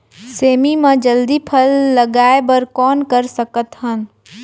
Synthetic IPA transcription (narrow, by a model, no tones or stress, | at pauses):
seːmimẽd͡ʒəld̪ipʰəlːəɡaːebəɾkɔːnkəɾsəkət̪ɦən